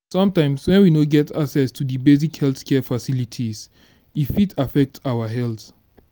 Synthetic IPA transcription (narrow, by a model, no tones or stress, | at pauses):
sɔ̃mtãɪ̃mswɛ̃nwinoɡɛtʰaksɛstʰudibes̬ikhɛlθkʰɛfasilitʰis | ifitʰafɛk̚tʰawəɦɛlθ